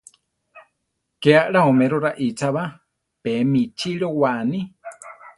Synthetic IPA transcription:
keaʔɺaomẽɾoɾaʔit͡saβa | pemĩt͡ʃiɺowaʔnĩ

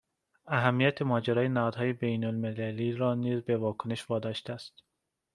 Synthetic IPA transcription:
æɦæmːijæt̪ʰemɒːd͡ʒeɾɒːjenæhɒːd̪̥hɒːje̞bejnolmelæliːɾɒːniːzbevɒːkʰone̞ʃvɒːd̪ɒːʃt̪eææst̪

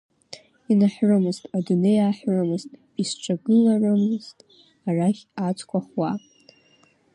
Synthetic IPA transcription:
inaħrɨmɨztʼadune̞jaːħrɨmɨztʼ | isʈ͡ʂʷʰaɡɨlarɨmɨz̥tʼ | araχʲat͡sʰʼkʷʰaχwa

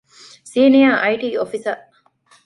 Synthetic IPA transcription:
siːnijaːʔɐiʈiːofisɐ

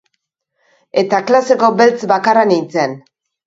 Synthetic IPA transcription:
e̞t̪aklase̞ko̞belt͡sbakaranint͡sen

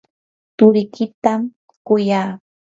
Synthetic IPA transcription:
t̪ʊɾɪkɪt̪am | kʊjaː

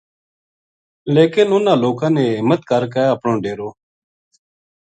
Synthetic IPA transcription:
leːkɪnʊnãːloːkãːnẽːɪmət̪kəɾkaːəpɳõːɖeːɾoː

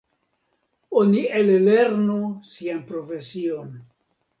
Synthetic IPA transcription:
o̞nielle̞ɾnusianpɾo̞fe̞sio̞n

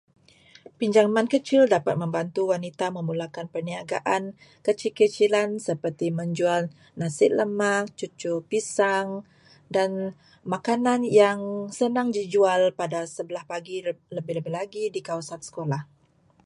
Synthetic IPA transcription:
piɲd͡ʒaŋmãnkət͡ʃɪldapat̪̚mə̃mbant̪uwanit̪aməmulakanpərniaɡa̰ʔan | kət͡ʃilkət͡ʃilansəpərt̪iməɲd͡ʒual | nasɪʔ̪̚ləmak̚t͡ʃut͡ʃupisaŋ | dan | makananjaŋsənaŋd͡ʒid͡ʒualpadasəbəlahpaɡiləbɪhləbɪlaɡidikawasansə̥kolah

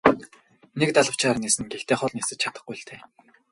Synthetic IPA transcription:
nekt̪aɮə̆w̥t͡ɕaːrniːsɘ̆ŋɡext̪ʰeːχɔɮniːsɘ̆t͡ɕ̚t͡ɕʰḁt̪ə̆χɡujɬt̪ʰeː

